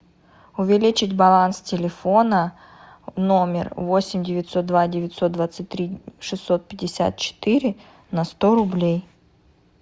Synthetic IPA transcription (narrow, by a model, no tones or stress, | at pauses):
ʊvʲɪlʲit͡ɕɪtʲbɐlˠanstʲɪlʲɪfo̞nə | no̞mʲɪ̰rvo̞sʲɪmʲdʲɪvʲɪt̪ʲso̞t̪̚d̪vadʲɪvʲɪtʲso̞t̪̚d̪vat̪sɨt̚ʲt̪ɾʲiʂɨsːo̞t̪̚pʲɪdʲːɪsʲa̰t̪̚t͡ɕɪ̥t̪ɨɾʲɪ | nɐst̪o̞ɾʊblʲej